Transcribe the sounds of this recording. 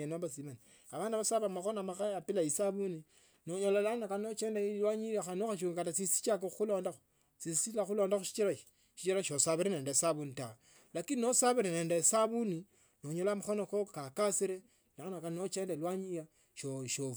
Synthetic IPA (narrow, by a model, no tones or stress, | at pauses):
enaβasimani | aβaːndiβasaβamaxonamaxaapilaisaβuni | noɲolalanakanot͡ʃeːndailwaɲiɾaxanoxaʃ̬uɡkatasisi̥t͡ʃakoxuloːndaxo̥ | sisilaxuloːndaxuʃi̥t͡ʃiɾaʃi̥ | ʃit͡ʃiɾaʃosaβiɾeneːndaesaβunita | lakininosaβiɾeneːndaesaβuni | noɲolamaxonokokakasiɾe | lanakannot͡ʃeːndalwaɲija | ʃoʃof